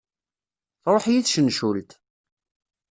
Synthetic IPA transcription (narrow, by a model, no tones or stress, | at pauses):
ɾˤoħjiθʃənʃult̪